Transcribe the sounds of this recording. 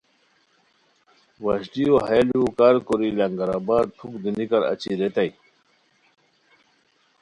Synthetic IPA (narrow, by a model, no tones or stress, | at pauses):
wɐɕʈioɦelukaɾkoɾilɐŋɡɐɾabaːɾt̪ʰukd̪inikɐɾɐ̰t͡ɕiɾet̪ai